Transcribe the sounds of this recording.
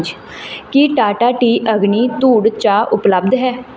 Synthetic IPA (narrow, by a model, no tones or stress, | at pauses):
d͡ʒ | kɪʈaːʈaːʈiːʔəɡniːt̪uːɽt͡ʃaːʔʊpləbd̪ɦɛː